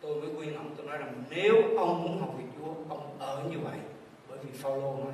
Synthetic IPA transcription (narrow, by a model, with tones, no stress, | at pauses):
t̪o˧jməː˨˦kwi˧ənla̰˨˩wŋ͡mt̪o˧jnɔ˨˦jlaː˨˩ŋne˨˦wxə˧wŋ͡mmu˨˦˥ənɦa˨˩wk͡p̚vi˨˩k̚t͡ɕu˨˦əkə˧wŋ͡mʔəː˨˩ɲɨ˧və̰˧˨j | ɓəː˨˦jvi˨˩faː˧wlo˧na˨˦